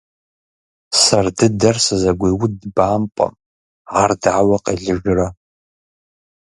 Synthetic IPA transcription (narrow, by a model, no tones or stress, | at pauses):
sɐrdɨdɐrsɨzɐɡʷejwʊdbaːmpʷʼɐ̰m | ardʕawɐqʼḛɮɨʒra